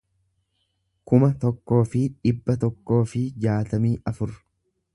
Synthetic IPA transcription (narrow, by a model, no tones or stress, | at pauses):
kʊmɐt̪ɔkːo̞ːfɪᶑɪbːɐt̪ɔkːo̞ːfɪd͡ʒaːt̪ɐmiːʔɐfʊɾ